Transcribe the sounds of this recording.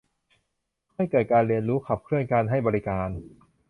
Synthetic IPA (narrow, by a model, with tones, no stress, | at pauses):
kʰɔ˥˩jkɤː˨˩t̪̚kaː˧nɾi˧ənɾuː˦˥kʰa˨˩p̚kʰɾɯ˥˩ənkaː˧nɦa˥˩jbɔː˧ɾi˦˥kaː˧n